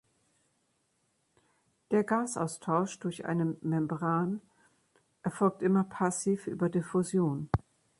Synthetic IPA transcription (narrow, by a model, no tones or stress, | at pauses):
d̥eːɐɡaːsʔa̰ʊstʰaʊʃd̥ʊɐçʔa̰ɪnəmɛmbʁaːn | ʔɛɐfɔlk̚tʔɪmɐpʰasiːfʔy̰ːbɐdefozjoːn